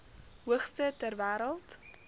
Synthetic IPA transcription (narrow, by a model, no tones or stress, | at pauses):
ɦuəχstətærvæːɾəlˠt